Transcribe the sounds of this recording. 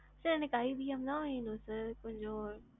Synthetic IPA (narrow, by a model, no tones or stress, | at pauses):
sɐnɪkaːibʱiɦɐmd̪ãĩːnd̪osɪkʊ̃ɦɪ̃ɲd͡ʑo